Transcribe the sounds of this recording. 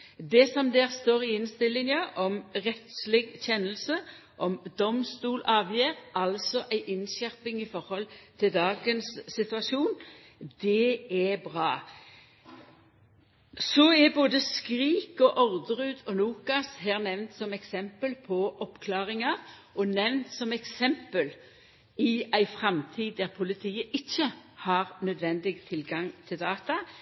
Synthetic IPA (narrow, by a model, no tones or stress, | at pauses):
d̪ɛsɔmd̪eːʁst̪oːʁɪɪnst̪ɪlːɪnjɑʔɔmʁɛt̪slɪɡçɛnːəlsə | ʔɔmd̪ɔmst̪uːlʔɑːʋjeːʁɑlsɔʔæɪʔɪnʃæʁpɪŋɪfɔʁhɔlt̪ʰɪld̪ɑːɡənsːɪt̪ʉɑʃuːn | d̪ɛɛbʁɑː | sɔɛboːd̪əskʁiːkɔʔɔʁd̪əʁʉːd̪ɔluːkɑsɦæːʁnɛʋnt̪sɔmɛksɛmpəlpʰɔʔɔpkʰlɑːʁɪŋɑʁ | ɔnɛʋnt̪sɔmɛksɛmpəl | ɪæɪfʁɑmt̪ʰiːd̪d̪æʁpʰʊlɪt̪ʰiːəʔɪçːəhɑʁnœd̪ʋɛnd̪ɪɡt̪ʰɪlɡɑŋt̪ʰɪld̪ɑːt̪ɑ